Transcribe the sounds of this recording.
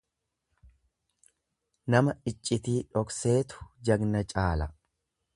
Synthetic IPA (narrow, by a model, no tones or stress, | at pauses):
nɐmɐɪt͡ʃʼːɪt̪iːᶑɔkse̞ːt̪ʊ̥d͡ʒɐɡnɐt͡ʃʼaːlɐ